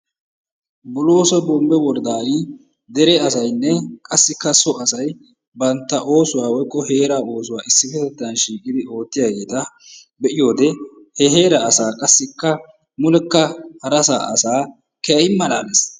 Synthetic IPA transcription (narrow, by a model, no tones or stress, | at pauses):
bʊloːsɔbɔmbɛwɔɾd̪aːɾɪ | d̪ɛɾɛɐsɐjnːɛkʼɐsːɪkːɐsɔɐsɐj | bɐnt̪ːɐʔo̞ːsʊwaːwɔjkʼːɔheːɾaːo̞ːsʊwaːʔɪsːɪfɛt̪ɛt̪ːɐnʃiːkʼɪd̪ɪo̞ːt̪ːɪjaːɡe̞ːt̪ɐ | bɛʔɪjo̞ːd̪ɛ | hɛɦeːɾaːsaːkʼɐsːɪkːɐ | mʊlɛkːɐhɐɾɐsa̰ːʔɐsaː | kɛɐjɪmːɐlaːlɛs